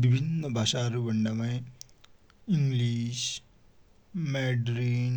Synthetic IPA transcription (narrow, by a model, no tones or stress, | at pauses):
bibʱinːəbʱaːʃaːɾʋɐɳɖəme | ɪ̃ŋɡliːʃ | mɛːɖɾiːn